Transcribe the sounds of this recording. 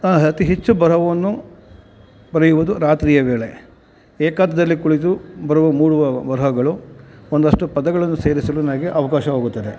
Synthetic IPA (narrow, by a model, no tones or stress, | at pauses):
ɐt̪iɦet͡ʃːubɐɾɐʋɐʋɐnːu | bɐɾejuʋud̪uɾaːt̪ɾiːjɐʋe̞ːɭe̞ | eːkaːt̪ɐd̪ɐlːikuɭit̪̬ubɐɾuʋɐmuːɽuʋɐbɐɾɐʋɐɡɐɭuond̪ɐʂʈupɐd̪ɐɡɐɭɐnːuse̞ːɾisɐlunɐmɐɡeʔɐʋɐkaːʃɐɦoːɡut̪ːɐd̪e